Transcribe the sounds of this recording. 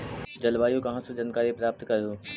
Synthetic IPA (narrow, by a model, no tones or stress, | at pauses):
d͡ʒɐlʋaːjõkɐɦãsed͡ʒankaːɾipɾaːp̚t̪kɐɾoː